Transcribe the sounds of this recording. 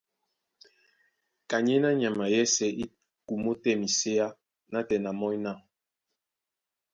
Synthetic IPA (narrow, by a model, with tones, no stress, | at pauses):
ka˨ɲɛ˦na˦ɲa˨ma˨jɛ˦sɛ˨ʔi˦ | ku˨mo˦tɛ˦˨mi˨se˦a˦ | na˦tɛ˨na˨mɔ˦i˦na˦˨